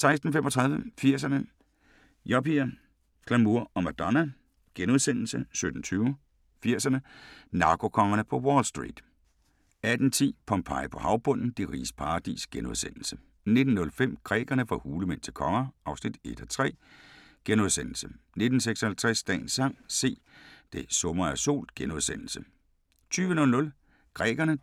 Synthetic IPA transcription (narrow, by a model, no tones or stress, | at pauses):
sɑ̈ɪsd̥n̩femʔɒ̽t͡sʰʁɑðˠʋəfiɐ̰s̬ɐnə | jɒpʰiɐ | kʰlæmuɐ̰ɒ̽mæd̥ɒnæ | ɡ̥enuð̞ˠsenl̩səsød̥n̩t͡sʰyːʊ | fiɐ̰sɐnənɑ̈ːɡ̥o̝kʰɒ̽ŋɐnəpʰɒ̽wɒːlsd̥ʁḭːd̥ | æd̥n̩t͡sʰḭːpʰɒmpʰɑ̈ɪpʰɒ̽hɑ̈ʊb̥ɔ̽n̰n̩d̥iʁḭːspʰɑ̈ːd̥ḭsɡ̥enuðˠsen̰l̩sə | ne̝d̥n̩nɔ̽lfem̰ɡ̥ʁɛ̰ːɡ̥ɐnəfɑhuːləmen̰t͡sʰe̝lkʰɒ̽ŋɐʔɑ̈ʊsnid̥e̝d̥ɒt͡sʰʁɛ̰ː | ɡ̥enuð̞ˠsen̰l̩səne̝d̥n̩seɡ̥sɒhælt͡sʰʁɛsd̥ɛ̰ːnsɑ̈ŋ̰se̝̰ː | d̥e̝sɔ̽mɐæso̝̰ːl̥ɡ̥enuð̞ˠsen̰l̩sə | t͡sʰyːʋənɔ̽lnɔ̽l | ɡ̥ʁɛ̰ːɡ̥ɐnə